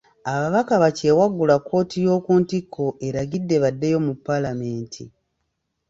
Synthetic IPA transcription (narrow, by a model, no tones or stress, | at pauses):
aβaβakaβace̞waɡːulakːo̞ːtʰijo̞ːkuːntikʰːo̞ʔe̞ɾaɡidːe̞βadːe̞jo̞mupːalame̞ːntʰḭ